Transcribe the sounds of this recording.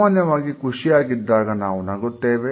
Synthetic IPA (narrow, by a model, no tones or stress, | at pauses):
aːnjɐʋaːɡikʰuʂiaːɡid̪ːaːɡɐnaːʋunɐɡot̪ːeːʋe